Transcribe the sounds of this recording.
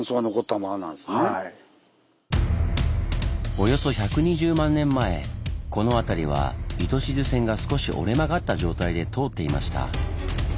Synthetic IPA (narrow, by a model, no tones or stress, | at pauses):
soɡanoko̞t̪ːamanãd̪sne | o̞jo̞so̞çakɯ̟ɲ̟iʑɨːmãnːẽ̞mːae̞̰ko̞no̞at̪aɾʲiβ̞a̰it̪o̞ɕizɨsẽ̞ŋɡasɨ̥ko̞ɕḭʔo̞̰ɾe̞maɡat̪ːaʑo̞ːt̪aid̪e̞t̪ʰo̞ːt̪ːe̞ima̰ɕi̥t̪a̰